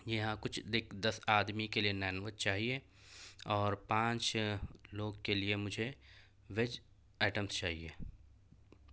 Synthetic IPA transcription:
jɐɦãkʊt͡ʃʰd̪ekʰd̪ɐsaːd̪mikelienɛːnʋət̪̚t͡ʃaːɦie | ɔːɾpãːt͡ʃloːɡkeliemʊd͡ʒʱe | ʋed͡ʒ | ɛːʈəmst͡ʃaːɦiḛː

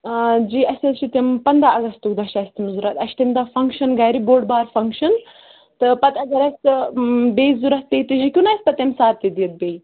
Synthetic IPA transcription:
d͡ʒiːɐsʲɐlʃʰit̪empɐnd̪ɾaɐɡɐst̪ukd̪ɐʃaːsʲt̪imzuɾɐt̪ɐʃt̪ɐmd̪afɐŋkʃɐnɡɐjɾiboːɖbaːɾfɐŋkʃɐn | t̪ɨpɐt̪ɐɡɐɾɐsʲt̪ɨbeːizuɾɐt̪ːeit̪iʒikʲunaːsʲpɐt̪ːɐmsaːt̪ːid̪iɐt̪̚beːj

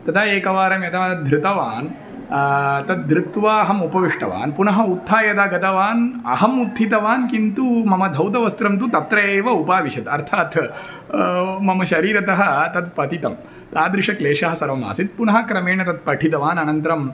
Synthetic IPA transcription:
t̪ɐt̪ʰaːeːkɐʋaːɾɐmjɐt̪aːd̪ʱɾɪt̪ɐʋaːn | t̪ɐt̪̚d̪ɾɪt̪ʋaːɐɦɐmupɐʋiʂʈɐ̰ʋa̰ːnpunɐɦɐut̪ʰːaːjɐd̪aːɡɐt̪ɐʋaːnɐ̰ɦɐmut̪ʰːit̪ɐʋaːnkint̪umɐmɐd̪ʱɐwt̪̬ɐʋɐst̪ɾɐmt̪̬ut̪ɐt̪ɾɐeːʋɐupaːʋiʃɐt̪ɐɾt̪ʰaːt̪ | mɐmɐʃɐɾiːɾɐt̪ɐɦɐt̪ɐt̪pɐt̪it̪ɐm | t̪aːd̪ɾɪʂɐkleːʂɐɦɐsɐɾʋɐma̰ːsit̪̚punɐɦɐkɾɐmeːɳɐt̪ɐt̪̚pɐʈʰit̪ɐʋaːnɐnɐnt̪ɾɐm

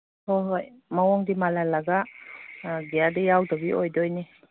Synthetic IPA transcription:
hɔɦɔj | mawɔŋdimalalaɡa | ɡijadɛjawdɔbiʔɔjdɔjni

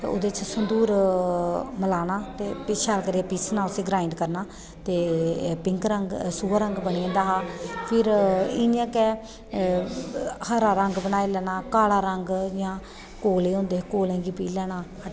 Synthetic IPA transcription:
o̰d̪eːt͡ʃʰsənd̪uːɾ | məlaːnaːt̪eːpʃaːlkəɾiapiːsnaːʊseːɡɾaːɪɳɖkəɾnaː | t̪eːpɪŋkɾəɡsuːaɾəŋɡbəɳĩːnd̪aːɦaːpʰɪɾɪniãːkɛː | həɾaːɾəŋɡbənaːeːlɛːnaːkaːlaːɾəŋɡd͡ʒjãː | koːleːõːnd̪eːkoːlɛ̃ːɡiːpiːlɛːnaː | ə

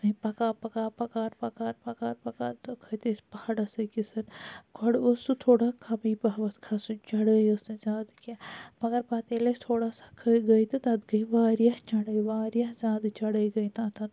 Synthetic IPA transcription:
kɐĩpɐkaːpɐkaːpɐkaːɾpɐkaːɾpɐkaːɾpɐkaːɾt̪ɐkʰət̪espɐaɽɐsɐkisɐɾɡʱɐɽosut̪ʰoːɽakʰɐbiːpɐɦʋɐt̪kʰasũt͡ʃɐɽəjosɐ̃zʲaːd̪kamɐɡɐɾpaːt̪eːlest̪ʰoːɽaːsḁkʰəiɡɐjt̪ɐt̪ɐd̪ɡɐiʋaːɾjat͡ʃɐɽəːjʋaːɾjazʲaːd̪t͡ʃɐɽəiɡɐit̪aːt̪ɐd̪

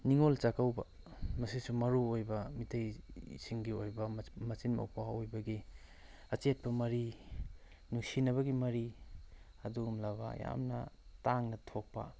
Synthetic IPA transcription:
niŋolt͡ʃakawbɐ̰ | mɐsisumɐɾuojbɐmitʰɐjsiŋɡiojbɐmɐt͡ʃinmɐ̰wpaojbɐɡi | ɐt͡ʃet̚pɐmɐɾi | nusinɐβɐɡimɐɾi | ɐduɡumlɐβɐ̰ja̰mnɐtaŋnɐtʰok̚pɐ̰

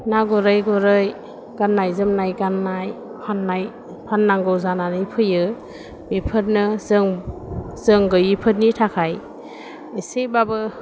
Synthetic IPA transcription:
naɡɔɾɯjɡɔɾɯj | ɡ̥anːajzɯmnajɡanːaj | pʰanːaj | pʰanːaŋɡɯwzananɯjpʰɯjɯ | bipʰɯt̚nɯzɯŋ | zɯŋɡɯjipʰɯt̚nitʰakʰaj | isebabɯ

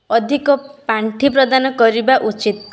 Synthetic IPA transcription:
ɔd̪ʱikɔpaɳʈʰipɾɔd̪anɔkɔɾibaʔut͡ʃit̪

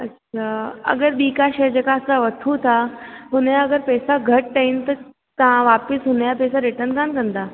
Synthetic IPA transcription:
ətːɕɕʰaə̰ɡəɾbikaɕed͡ʑekaəsaʋət̪ʰut̪ʰaɦunjaəɡəɾpɛsaɡʱəʈ̚ʈəint̪ə | t̪ãʋapisɦunjapɛsaɾiʈəɾnkankə̃nt̪a

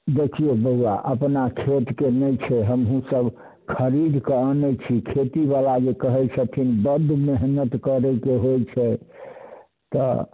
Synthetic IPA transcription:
d̪ekʰijobəwa̰ʔəpnakʰet̪kenət͡ʃʰɛɦəmɦũsəb | kʰəɾid̪kənɛt͡ʃʰikʰet̪iβalad͡ʒekəɦɛt͡ʃʰɛpʰinbəd̪ʱːmeɦnət̪kəɾɛkeɦojt͡ʃʰɛ | t̪ɔ̰

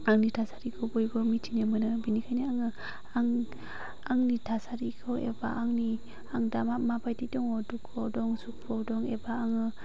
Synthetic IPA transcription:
aŋnitʰasaɾikʰɔbɔjɡɔmitʰinemɯnɯbinikʰajniaŋɯ | aŋ | aŋnitʰasaɾikʰɔḛba̰ʔaŋni | aŋdamamapajtidɔŋɔdukʰːɔdɔŋsuk̚pʰɔdɔŋebaːŋɯ

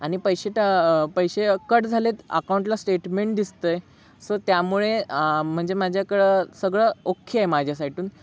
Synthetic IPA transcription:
aɽ̃ipəjɕeʈapəjɕekəɽd͡zʱalet̪ə̰kawũɳʈlasʈeʈmeɳʈ̚d̪ist̪əj | sət̪jamuɭem̤əɳd͡zemad͡ʑʱjakəɭəsəɡɭəokʰːjəajmad͡ʑʱjasaiʈuːn

